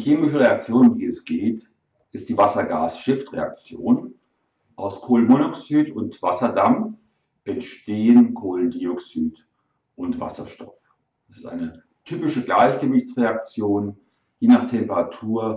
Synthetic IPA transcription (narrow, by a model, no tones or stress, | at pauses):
çeːmɪʃəʁeak̚t͡sjoːnʊmdiːɛsɡ̥eːt | ʔɪst̚d̥iːvasɐɡa̰ːsʃɪftʁḛa̰k̚t͡sjoːn | ʔaʊskʰoːlənmonoksyːtʊntv̥asɐdam | ʔɛntʃteːənkʰoːləndiɔksyːt | ʔʊntv̥a̰sɐʃtɔ̥̰f | d̥asɪstʔa̰ɪnə | tʰyːpɪʃəɡlaɪçɡ̥əvɪçt͡sʁeak̚t͡sjoːn | jeːnaːχtʰɛmpəʁatʰuːɐ